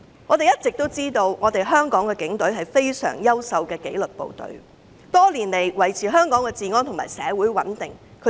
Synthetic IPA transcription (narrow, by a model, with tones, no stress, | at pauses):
ŋɔː˨˧t̪e˨jɐ˥t̚t͡sɪ˨k̚t̪o˥wt͡siː˥t̪o˧wŋɔː˨˧t̪e˨jɦœː˥ŋkɔː˨˥ŋkɛː˧kɪ˨˥ŋt̪ɵ˨˥ɥɦɐ˨jfe˥jsœ̰ː˨˩ŋjɐ˥wsɐ˨˧wkɛː˧kḛ˨˥jlɵ˨t̚po̰˨wt̪ɵ̰˨˧˥ɥ | t̪ɔː˥liː˨˩nle˨˩jwɐ˨˩jt͡sʰiː˨˩ɦœː˥ŋkɔː˨˥ŋkɛː˧t͡siː˨˧ŋɔː˥nt̪ʰʊ˨˩ma̰ː˨˩jsɛ̰ː˨˧wuː˨˥jwɐ̰˨˥nt̪ɪ˨ŋ | kʰɵ˨˧˥